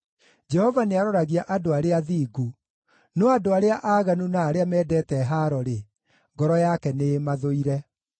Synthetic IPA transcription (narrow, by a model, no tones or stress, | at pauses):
d͡ʒɛhɔvaneaɾɔɾaɣiaʔadoaɾeaðiːɡu | nɔadoaɾeaʔaːɣanunaːɾeamɛːdɛtɛɦaɾɔɾe | ŋɡɔɾɔjakɛnemaðoiɾɛ